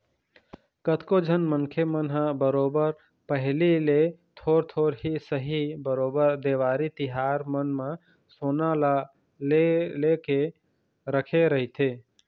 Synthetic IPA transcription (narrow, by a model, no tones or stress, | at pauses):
kət̪kod͡ʒʱənmənkʰemənɦəbəɾobəɾ | pəɦlilet̪ʰoɾt̪ʰoɾɦisəɦibəɾobəɾd̪eʋaɾit̪iɦaɾmənmã | sonal | leleke | ɾəkʰeɾəɦɪt̪ʰe